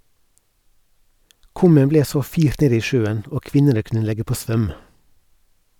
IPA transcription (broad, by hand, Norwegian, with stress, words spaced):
ˈkʉmən ˈbleː ˈsoː ˈfiːɾt ˈneːd ˈiː ˈʃøːən ˈoː ˈkʋɪnənə ˈkʉnə ˈlɛɡə ˈpoː ˈsʋœm